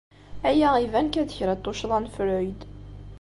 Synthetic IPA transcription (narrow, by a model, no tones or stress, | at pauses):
æjæivænkæðəçɾæt̪ˤːoʃðˤɑnfɾʊjd̪